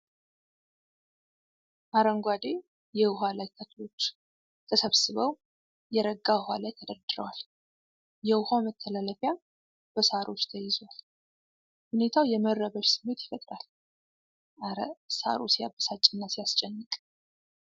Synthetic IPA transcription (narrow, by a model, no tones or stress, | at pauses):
ʔaɾəŋɡʷad̪e̞ | jɛwɦalajt̪ʰəklo̞t͡ʃː | t̪ʰəsəβsɨβəw | jɛɾəɡːahalajt̪ʰəd̪əɾd̪ɨɾə̰wal | jɛwʊhamət̪ʰːəlaləfja | b̥əsaɾʔo̞t͡ʃːt̪ʰəjɪzwal | hune̞t̪ʰawjɛmərːəβəʃsɨmːe̞t̪jɪfət̪ʼɾal | ɾsa̰ɾosijabəsat͡ʃʼɪnːasijast͡ʃʼɛnːɨkʼ